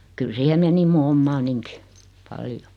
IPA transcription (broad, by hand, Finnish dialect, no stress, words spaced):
kyl siːhe meni mu omːɑːniŋki pɑljo